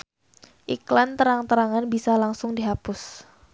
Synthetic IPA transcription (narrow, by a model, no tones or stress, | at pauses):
ʔiklant̪əɾaŋt̪əɾaŋanbisalaŋsʊŋdiɦapʊs